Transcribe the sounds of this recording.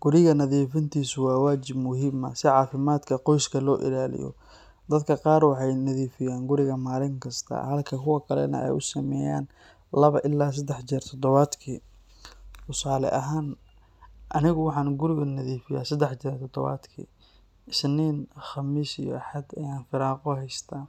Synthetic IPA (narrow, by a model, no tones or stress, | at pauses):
ɡ̥ʊɾɪɣɐnɐðiːfɪnt̪ʰiːsʊwaːwaːt͡ʃɪbmʊɦɪːmɐ̰sɪʕɑːfɪmaːd̪kʰɐqɔjskʰɐlɔːʔɪ̰laːlɪ̰jɔ̰ | d̪ɐd̪kʰɐqɑːɾwɑħɑjnɐðiːfɪjaːnɡʊɾɪɣɐmaːlɪŋkʰɐst̪ʰɐ̰hɐlkʰɐkʰʊwɐkʰɐlɛ̰nɐ̰ʔɛ̰jʊsɐmɛ̰ːja̰ːn | lɐβɐʔɪlːaːs̬ɐd̪ɛħt͡ʃiːrt̪ʰɔd̪ɔβaːd̪kʰḭː | tʊsaːlɛ̰ʔɐɦaːn | ʔɐnɪɣʊwɑħɑːnɡʊɾɪɣɐnɐðiːfɪja̰ːsɐd̪ɛħt͡ʃiːɾt̪ʰɔd̪ɔβa̰ːd̪kʰḭː | ɪsniːnχɑmiːsijɔ̰ɐħɐd̪ɛjaːnfɪɾaːqɔɦɛjst̪ʰaː